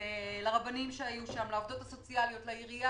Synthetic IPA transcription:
elaʁabanimʃeajuʃamlaovd̪o̞taso̞t͡sialio̞tlaiʁia

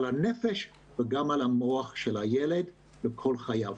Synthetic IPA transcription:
lanefeʃ | veɡamalamoaχʃelajeled̪ | lekʰolχajav

